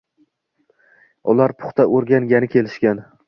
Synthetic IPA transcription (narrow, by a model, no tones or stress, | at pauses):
ʊlaɾpʰʊ̥χt̪ʰaʔoɾɡʲaŋɡʲanɪkʲʰe̞lɪʃkʲan